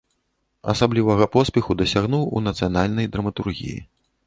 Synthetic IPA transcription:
ɐ̰sablʲivɐɣɐpɔsʲpʲɛxud̪ɐsʲaɣnuwṵnɐt̪sɨjanalʲnɐjd̪ɾɐmɐt̪urɣʲḭjḭ

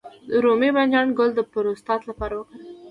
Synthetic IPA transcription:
d̪əɾomiband͡ʒɑnɡʊld̪əpəɾost̪ɑt̪lapɑɾawəkəɽ

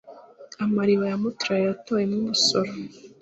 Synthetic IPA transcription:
amaɾiβajamutuɾajejatoːjemnumusoɾo

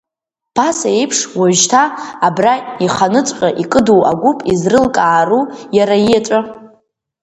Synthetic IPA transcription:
pʰasaejpʰʂwaʒtʰaːbraiχanɨt͡sʷʼqʲʼaʔikʼɨduwaɡʷupʼizrɨlkʼaːrujaɾajiat͡ʃʷʼa

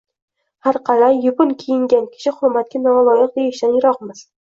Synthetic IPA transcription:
haɾqʰɑlajːʊpʊnkʲʰijɪŋɡʲankʲʰɪ̥ʃɪhʊɾmat̪̚kʲanɒlˠɒjɪq̚d̪ejɪʃd̪anjɪɾɒqmɪz̥

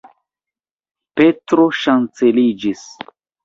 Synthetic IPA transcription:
pe̞tɾo̞ʃant͡se̞lid͡ʒis

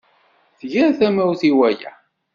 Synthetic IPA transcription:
θʝæɾθæmæwθiwæjæ̰

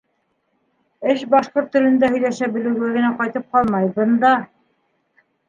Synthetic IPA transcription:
ɘʃbɑʃqoɾt̪ːɵ̆lɘ̆nd̪æhɵ̆jlæʃæbɘ̆lɘ̆wɡæɡɘ̆næqɑjt̪ɤp̚qɑlˠmɑjbɤnd̪ɑ

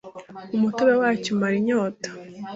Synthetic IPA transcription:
umutoβewaːcomaɾiɲoːtḁ

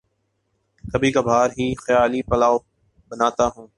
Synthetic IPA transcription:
kəbʱiːkaːbʱaːɾɦiːxəjaːliːpəlaːo | ɓənaːt̪aːɦũː

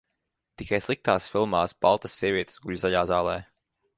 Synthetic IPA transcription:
t̪ikajslˠik̚t̪aːsfilˠmaːsb̥alˠt̪ɐsːiɛvʲiɛt̪sɡuʎzaʎaːzaːlˠɛː

